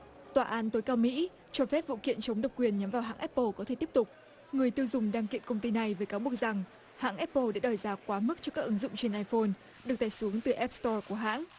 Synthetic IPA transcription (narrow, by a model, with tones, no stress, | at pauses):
t̪waː˨˩ʔaː˨˦nt̪o˨˦jkaː˧wmḭ˧˥ | t͡ɕɔ˧fɛ˦˥p̚vṵ˧˨kḭ˧˨ənt͡ɕə˨˦wŋ͡mɗə˨˩wk͡p̚kwi˨˩ənɲa˨˦mvaː˨˩wɦa̰ː˧˥ŋʔɛ˦˥pːə˧kɔ˨˦t̪ʰe˧˩t̪i˦˥əp̚t̪ʊ˨˩k͡p̚ | ŋɨ˨˩əjt̪i˧əwzʊ˨˩ŋ͡mɗaː˧ŋkḭ˧˨ənkə˧ŋ͡mt̪i˧na˨˩jvəː˨˦jkaː˨˦ɓu˨˩ək̚za˨˩ŋ | ha̰ː˧˥nʔɛ˦˥pːə˧ɗa̰ː˧˥ɗɔ˨˩jzaː˨˩kwaː˨˦mɨ˦˥k̚t͡ɕɔ˧kaː˦˥k̚ʔɨ˨˦nzʊ̰˧˨ŋ͡mt͡ɕe˧nʔaː˧jfo˧n | ɗɨ˨˩ək̚t̪aː˧˩jsu˨˦əŋt̪ɨ˨˩ʔɛ˦˥p̚st̪ɔ˧ku˧˩əɦa̰ː˧˥n